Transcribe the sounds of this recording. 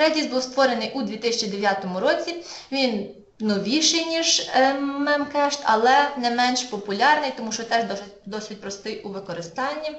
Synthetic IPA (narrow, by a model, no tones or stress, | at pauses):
ɾɛd̪ʲizbuwst̪ʋɔɾenɪjʔud̪ʲʋʲit̪ɪsʲɐt͡ʃid̪eʋʲjat̪ɔmʊɾɔt͡sʲiʋʲin | nɔʋʲiʃɪjnʲiʒmɛmkɛʃt̪ʲɐlˠɛnɛmɛnʃpɔpʊlʲɑrnɪjt̪ɔmuʃt͡ʃɔt̪ɛʒd̪ɔ | d̪ɔsʲɪt̚ʲpɾɔst̪ɪjuʋɪkɔɾɪst̪ɑnʲːi